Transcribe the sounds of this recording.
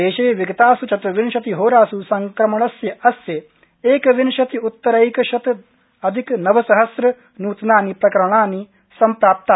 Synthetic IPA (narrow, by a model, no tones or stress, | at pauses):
eːʃɐʋiɡɐt̪aːsut͡ʃɐt̪ʋinʃɐt̪iɦoːɾaːsusɐŋkɾɐmɐɳɐsjɐʔɐsje | eːkʋinʃɐt̪iut̪ːɐɾɐjkɐʃɐt̪ | ɐd̪ʱiknɐʋɐsɐɦɐsɾɐ | nuːt̪naːnipɾɐkɐɾɳ̃aːni | sɐmpɾaːp̚t̪a